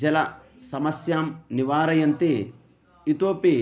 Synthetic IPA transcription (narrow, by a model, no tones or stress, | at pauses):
d͡ʒɐlɐ | sɐmɐsjaːmniʋaːɾɐjɐnt̪eː | it̪oːpeː